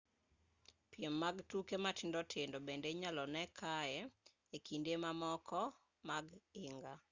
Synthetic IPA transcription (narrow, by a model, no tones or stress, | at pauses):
pjemːaɡtukematʰɪndɔtʰɪndobendeɲalɔnɛkʰaɛ | ekʰindemamɔkʰɔ | maɡɪŋɡa